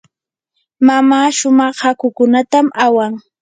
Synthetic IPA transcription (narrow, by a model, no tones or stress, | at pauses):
mamaːʃʊmɑχhakʊkʊnat̪amawaŋ